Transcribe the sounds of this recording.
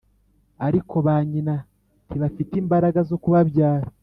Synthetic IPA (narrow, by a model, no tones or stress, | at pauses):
aɾikʰo̞βaːɲina | tiβafitiːmbaɾaɡazo̞kuβaβjaːɾa